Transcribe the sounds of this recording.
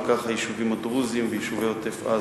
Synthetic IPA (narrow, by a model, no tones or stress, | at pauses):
kaχajiʃuvimad̪ʁuzimvejiʃuveot̪efa̰